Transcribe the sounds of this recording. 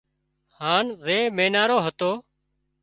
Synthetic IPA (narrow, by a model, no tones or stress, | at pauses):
haːnzeːmeːnaːɾoːɦət̪oː